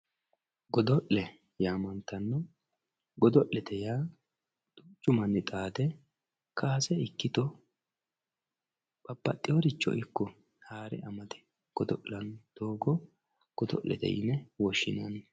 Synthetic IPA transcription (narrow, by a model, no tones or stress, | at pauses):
ɡɔd̪ɔʔlɛ | jaːmɐnt̪ɐnːɔ | ɡɔd̪ɔʔɛt̪ʰɛjaː | d̪̥ʊt͡ʃːʊmɐnːɪt̪ʼaːd̪ɛ | kʰaːsɛɪkːɪt̪ɔ | pʼɐpːɐt̪ʼːɪjɔɾɪt͡ʃːɔ̰ʔɪkːɔ | haːɾɛ̰ʔɐmɐd̪ɛ̥ | ɡ̥ɔd̪ɔʔɐnd̪̥oːɡɔ | ɡ̥ɔd̪ɔ̰ʔɛ̰t̪ɛ̰jɪ̰nɛwɔʃːɪnɐn